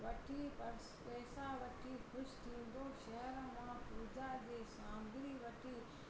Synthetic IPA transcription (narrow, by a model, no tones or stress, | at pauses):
ʋɐʈʰiːpɐɾspɛːsaːʋɐʈʰiːkʰʊʃt̪ʰĩːnd̪oːʃɐɦəɾəmãːpuːd͡ʑaːd͡ʑeːsãːŋɡɪɾiːʋɐʈʰiː